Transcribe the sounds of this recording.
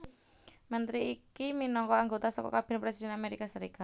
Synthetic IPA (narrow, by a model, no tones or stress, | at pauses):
mənt̪ɾiikiminɔŋkɔaŋɡot̪asɔkɔ̰kab̥e̤npɾesid̥ɛ̤nameɾikasəɾikat̪̚